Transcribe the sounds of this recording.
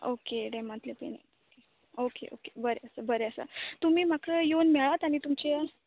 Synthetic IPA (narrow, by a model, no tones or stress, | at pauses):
o̰keɖemat̪lepḛnḛt̪ke | okḛʔo̰kebəɾeəsabəɾeəsa̰t̪um̤iːm̤akʰəjonmɛɭat̪aɽ̃it̪umt͡ɕe